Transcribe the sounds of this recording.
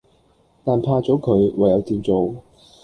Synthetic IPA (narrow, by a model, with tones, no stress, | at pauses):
t̪aː˨˩npʰaː˧t͡sɔː˨˥kʰɵ˨˧ɥwa˨jɐ˨˧wt̪iː˨˧mt͡so˨w